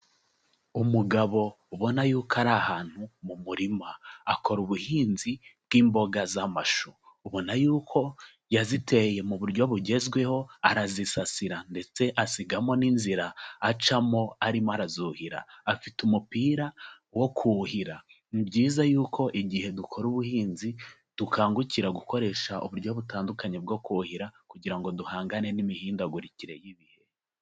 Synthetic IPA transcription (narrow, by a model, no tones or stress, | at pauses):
umuɡaβo̞ | uβo̞najuːkaɾahaːn̥humumuɾimaako̞ɾuβuhiːnzibɡ̥iːmbo̞ɡazamaʃoːβo̞najuːkʰo̞ | jazitʰe̞je̞muβuɾɟo̞βuɟe̞zɡwe̞ho̞aɾazisasiɾande̞t͡se̞ʔasiɡamo̞ninziɾaːt͡ʃamo̞aɾimoaɾazuhiɾa̰ːfitumupiːɾa | wo̞kʰuhiɾanibɟiːzajuːkʰo̞ʔiɟihe̞dukʰo̞ɾuβuhiːnzi | d̥ukʰaːŋɡuciɾaɡuko̞ɾe̞ʃaʔṵβuɾɟo̞βutaːndukaɲeb̚ɡo̞kuhiɾakuɟiɾaŋɡo̞duhaːŋɡane̞nimihiːndaɡuɾiciɾe̞̰jiβihe̞